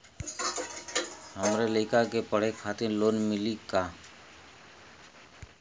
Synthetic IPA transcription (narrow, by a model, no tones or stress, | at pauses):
həmɾeləːkakepəɽ̤ekʰaːt̪ɪɾloːnmɪlikaː